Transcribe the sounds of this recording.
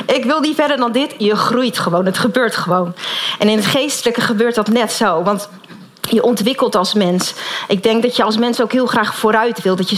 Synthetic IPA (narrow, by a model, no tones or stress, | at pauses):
ʔɪkʋɪlˠnifɛdəɹdɑndɪtjəχrujtχəʋownɦətχəbøːɹtχəʋownʔɛnɪnətχejstələkəχəbøːɹt̚dɑtnɛtsowʋɑnt | jəʔɔntʋɪkəlˠtɑlˠsmɛnsʔɪɡ̚dɛŋk̚dɑtjəɑlˠsmɛnsowkɦɪːlˠχraːχfoːɾœɥtʋɪlˠdɑjə